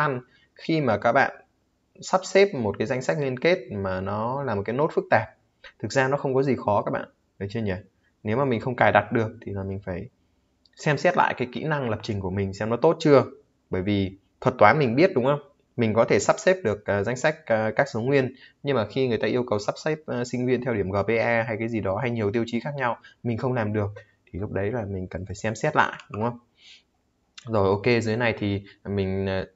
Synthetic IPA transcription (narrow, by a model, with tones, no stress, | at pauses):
a˧n | xi˧maː˨˩kaː˦˥k̚ɓa̰ː˧˨n | sa˦˥p̚seɛ˦˥p̚mo˨˩t̚kaː˨˦za˧jŋ̟sa˦˥k̟̚ŋwi˧ənke˦˥t̚maː˨˩nɔ˨˦laː˨˩mo˨˩kaː˨˦jno˦˥t̚fɨ˦˥k̚t̪aː˨˩p̚ | t̪ʰɨ˨˩k̚zaː˧nɔ˨˦xə˧wŋ͡mkɔ˨˦zi˨˩xɔ˨˦kaː˦˥k̚ɓa̰ː˧˨n | və˨˩jt͡ɕɨ˧əɲə˧˩ | ne˨˦wmaː˨˩mi˨˩ŋ̟xə˧wŋ͡mkaː˨˩jɗa˨˩t̚ɗɨ˨˩ək̚t̪ʰi˨˩laː˨˩mï˨˩ŋ̟faː˧˩j | sɛ˧msɛ˦˥t̚la̰ː˧˨kaː˨˦jkḭ˧˥na˧ŋlə˨˩p̚t͡ɕï˨˩ŋ̟ku˧˩mï˨˩ŋ̟sɛ˧˦mnɔ˨˦t̪o˦˥t̚t͡ɕɨ˧ə | ɓəː˧˩jvi˨˩ | t̪ʰwə˨˩t̚t̪waː˨˦nmï˨˩ŋ̟ɓi˦˥ət̚ɗʊ˨˦ŋ͡mhə˧wŋ͡m | mï˨˩ŋ̟kɔ˨˦t̪ʰe˧˩sa˦˥p̚sɛ˦˥p̚ɗɨ˨˩ək̚ʔːza˨˦jŋ̟sa˦˥k̟̚ːkaː˦˥k̚so˨˦ŋwi˧ənɲɨ˧ŋmaː˨˩xi˧ŋɨ˨˩əjt̪aː˧ʔi˧əwkə˨˩wsa˦˥p̚sa˦˥p̚ːsï˧ŋ̟vi˧ənt̪ʰɛ˧wɗi˧˩əmɣəː˨˩p̚ːe˧ʔɛ˧ɦa˧jkaː˨˦zi˨˩ɗɔ˨˦ɦa˧jɲi˨˩əwt̪̬i˧wt͡ɕi˨˦xaː˦˥k̚ɲa˧wmï˨˩ŋ̟xə˧wŋ͡mlaː˨˩mɗɨ˨˩ək̚ | t̪ʰi˨˩lʊ˦˥k͡p̚ɗə˨˦jlaː˨˩mï˨˩ŋ̟kə˨˩nfaː˧˩jsɛ˧msɛ˦˥t̚la̰ː˧˨jʔɗʊ˨˦ŋ͡mhə˧wŋ͡m | zo˨˩jʔo˧ke˧zɨ˨˦jna˧˩jt̪ʰi˨˩mï˨˩ŋ̟ː˨˩